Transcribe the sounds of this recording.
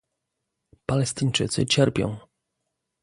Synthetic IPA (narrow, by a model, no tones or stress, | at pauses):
palɛst̪ɘɲt͡ʂɘ̰t̪sɘ̰t͡ɕɛɾpʲjɔ̰̃w̃